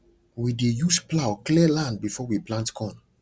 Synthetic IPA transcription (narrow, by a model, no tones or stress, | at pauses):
widejusplaʊklilãnd̚bifɔwiplãntkʰɔ̃n